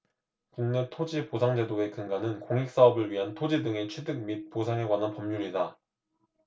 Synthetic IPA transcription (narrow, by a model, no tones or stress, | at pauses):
kuŋnetʰod͡ʑiposʰaŋd͡ʑe̞doe̞kɯŋɡanɯnkoŋik̚s͈aʌbɯɭɥiɦantʰod͡ʑidɯŋe̞t͡ɕʰwedɯk̚mit̚p͈osʰaŋe̞ɡwananpʌmɲuɾida